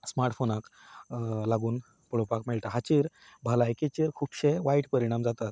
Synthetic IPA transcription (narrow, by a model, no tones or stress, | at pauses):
smaɾʈfonak | laɡuːn | pəɭopakmeɭʈ̪aɦat͡ɕeɾ | bʱəlajket͡ɕeɾkʰuːpɕeʋaiʈpəɾiɽ̃amd͡zat̪at̪